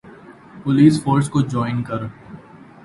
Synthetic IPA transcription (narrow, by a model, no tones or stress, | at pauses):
pʊliːsfoːɾskod͡ʒɔːɪnkɐɾ